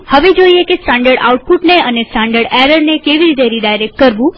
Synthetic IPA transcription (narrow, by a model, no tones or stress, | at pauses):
həʋed͡ʒoiekesʈãɳɖəɾɖa̰wʈ̚puʈneənesʈãɳɖəɾɖɛɾəɾnekeʋiɾit̪̬eɾiɖajɾek̚ʈ̚kəɾʋũ